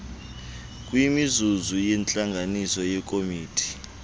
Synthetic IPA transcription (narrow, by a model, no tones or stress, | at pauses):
kʼwimizuzujɛnt͡ɬʼaŋɡʱanisɔjɛk̬ʼomiːtʰi̥